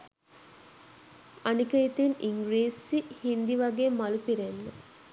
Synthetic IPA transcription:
anikəit̪iniŋɡɾeːsːihind̪iʋaɡeːmalupiɾenːə

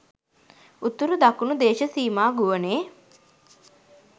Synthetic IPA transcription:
ut̪ːuɾud̪akunud̪eːʃəsiːmaːɡuʋəneː

